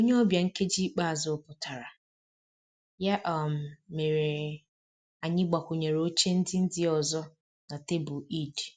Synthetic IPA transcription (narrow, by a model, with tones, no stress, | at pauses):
o˦ɲe˦ɔ˦bja˨ŋ̩˦ke˦d͡ʒi˦k͡pa˦a˨zʊ˦pʊ˨ta˨ɾa˨ | ja˦ʔɔ˦˨m̩˨me˨ɾe˨ | a˨ɲɪ˦ɡ͡ba˨kʷʊ˨ɲe˨ɾo˦t͡ʃe˦n̩˦dɪ˦n̩˦dɪ˦ɔ˨zɔ˦ | na˨te˦bʊ˨i˦˨d